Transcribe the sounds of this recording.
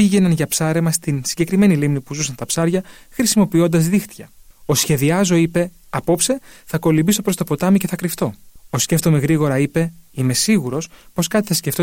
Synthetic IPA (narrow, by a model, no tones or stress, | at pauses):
piʝe̞nɐnʝɐpsɐɾe̞mɐst̪insiɲɟe̞kɾime̞nilimnipuzusɐnt̪ɐpsɐɾʝɐ | xɾisimo̞pio̞nd̪ɐzðixt̪çɐosçe̞ðiɐzo̞ipe̞ | ɐpo̞pse̞θɐko̞limbiso̞pɾo̞st̪o̞po̞t̪ɐmice̞θɐkɾift̪o̞osce̞ft̪o̞me̞ɣɾiɣo̞ɾɐipe̞ime̞siɣuɾo̞spo̞skɐt̪i̥θɐsce̞ft̪o